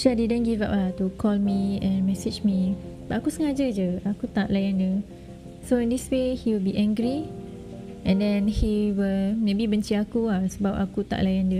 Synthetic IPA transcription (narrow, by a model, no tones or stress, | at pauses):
ʃadidə̃nɡiva̰p̚lat̪ukʰɔlmiɛ̃nmɛsɪd͡ʒmi | b̥aʔakusəŋad͡ʒəd͡ʒəakut̪aʔlajãndə | soĩndiswehiwilbiʔɛ̃ŋɡɾi | ʔɛ̃ndɛ̃nhiwilmebibəɲt͡ʃiakuasəbapa̰kut̪a̰ʔlajandə